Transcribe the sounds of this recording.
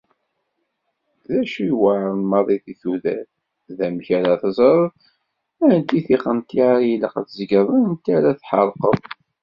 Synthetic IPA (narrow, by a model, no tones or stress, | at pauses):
ðæʃiwaʕəɾmɑɾˤiθiθuðæ̰θ | ðæmçæɾaθzˤəɾˤð | ænt̪iθiχəmt̪iʕɾjiləqə̰θzəɡəðˤənənt̪ːaɾæθħəɾˤqəðˤ